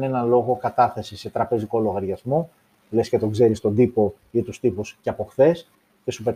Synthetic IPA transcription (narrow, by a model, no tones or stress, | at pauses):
ne̞nɐlo̞ɣo̞kɐt̪ɐθe̞sise̞t̪ɾɐpe̞ziko̞lo̞ɣɐɾʝɐzmo̞ | lesce̞t̪o̞ɡze̞ɾist̪o̞d̪ipo̞ | it̪ust̪ipusceɐpo̞xθe̞s | ce̞supe̞